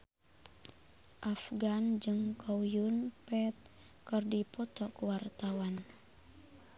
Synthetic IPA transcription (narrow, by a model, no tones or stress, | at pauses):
ʔafɡand͡ʒɨŋkʰowjunpɛt̪̚ | kɨrdipɔt̪ɔkəwart̪awan